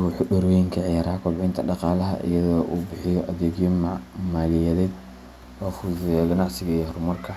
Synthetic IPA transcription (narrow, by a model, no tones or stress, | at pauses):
ʊħʊɖɔrɡɛjŋkʰɐʕɪjaːɾɐhɐkʰʊlʕɪnt̪ʰɐɖɑqɑːlɐɦɐ̰ʔɪ̰jɐðɔːʔuːbɪħɪjɔʔɐðɛːɡjɔmaːlɪjɛðɛːd̪ | wɑχʊzɪjɡɐnɑʕsɪɣɐihɔrmɐrkʰɐ